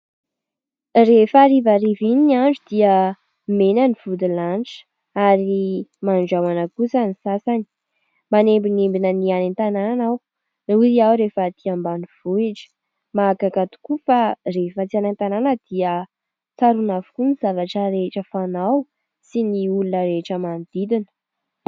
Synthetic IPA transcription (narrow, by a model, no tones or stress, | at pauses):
refaɾivaɾivininianɖ͡ʐud̪iə | menəniv̥ud̪ilanʈ͡ʂə̥ | aɾimanɖ͡ʐawanəkusənisasani̥ | manembinimbinənianent̪anannaw | uziawɾefət̪iambaniv̥uid͡ʒə̥ | makakat̪u̥kufarefət͡sianent̪ananəd̪̥iə | t͡saɾunavukunizavaʈ͡ʂəɾeʈ͡ʂəfanaw | siniulunəɾeʈ͡ʂəmand̪id̪inə